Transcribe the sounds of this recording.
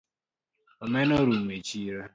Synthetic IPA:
ɔmɛnoɾumet͡ʃiɾa

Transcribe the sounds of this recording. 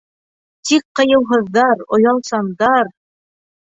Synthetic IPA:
t̪ik̚qɤ̆jɤ̆wɦɤ̆ðːɑɾŏ̰jɑlˠsɑnd̪ɑɾ

